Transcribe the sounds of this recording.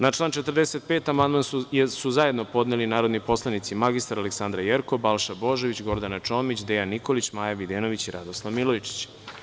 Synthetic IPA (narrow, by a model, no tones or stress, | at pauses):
nat͡ʂlˠaːnt͡ʃet̪ər̩d̪ese̞t̪̚pet̪amand̪mansuzajed̪no̞po̞d̪nelinaːɾo̞d̪nipo̞slˠanit̪simaɡist̪aɾaleksand̪ɾajeɾkobalˠʃabo̞ʒeʋit͡ɕɡo̞ɾd̪anat͡ʃo̞ːmit͡ɕd̪ejanːiko̞lit͡ɕmaːjaʋid̪eːno̞ʋit͡ɕiɾʔad̪oslˠaʋmilojit͡ʃi̥t͡ɕ